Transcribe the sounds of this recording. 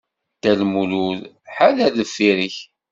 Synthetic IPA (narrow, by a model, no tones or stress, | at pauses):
t̪ælmuluð | ħalæðəfːiɾəç